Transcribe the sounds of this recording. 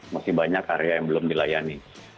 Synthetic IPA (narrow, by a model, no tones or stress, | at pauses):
masɪhbaɲakaɾeajaŋbəlʊmdilajani